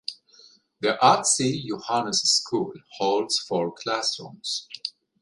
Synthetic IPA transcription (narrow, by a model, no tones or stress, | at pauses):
ðiʔatsijuhanəsskʰulholdz̥fɔɹkʰlæsɹṵ̃ms